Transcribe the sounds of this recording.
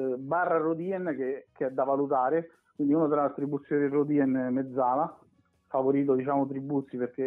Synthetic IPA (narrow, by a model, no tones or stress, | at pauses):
barːarod̪iːɛnk̟ekeɛd̪ːavalut̪aːɾe | kkwind̪iuːnot̪laat̪ɾibːut̪sːjoːɾerod̪iːɛnmed̪zːaːla | favoɾiːt̪̬od̪it͡ʃaːmot̪ɾibːut̪sːiperk̟e